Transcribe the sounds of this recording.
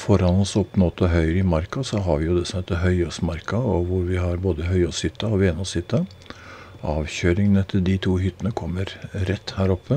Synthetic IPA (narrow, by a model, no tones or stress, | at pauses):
fɔɾɑnɔsɔpːnɔt̪ːɔɦœʏɾɪmɑɾkɑsɔɦɑɾʋɪjʊd̪ɛsɔmheːt̪ːəɦœʏɔsmɑɾkɑɔʋʊɾʋɪhɑɾboːd̪əɦœʏɔshʏt̪ːɑɔʋenɔsʏt̪ːə | ɑːʋçøːɾɪŋnɛt̪ʰːəld̪ɪt̪ʰuːhʏt̪ːənəkʰɔmːəɾɾɛt̪ːhæːɾɔpʰːə